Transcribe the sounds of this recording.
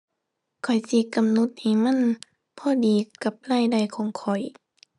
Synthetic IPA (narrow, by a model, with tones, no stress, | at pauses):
kʰɔ˨˩jsi˧˦ka˧˨mno˧˦t̪̚hi˧˩ma˧˥˨n | pʰɔː˧˥˨diː˨ka˧˦p̚laː˧˨jda˧˩jkʰɔː˧˦ŋkʰɔ˨˩j